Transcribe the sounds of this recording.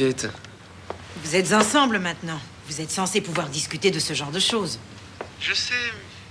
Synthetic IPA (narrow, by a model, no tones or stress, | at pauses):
ɛt̪ | vuzɛt̪zɑ̃sɑ̃bləmɛ̃t̪nɑ̃ | vuzɛt̪sɑ̃sepuvwaʁd̪iskʲyt̪ed̪əsəʒɑ̃ʁd̪əʃoz | ʒəsɛ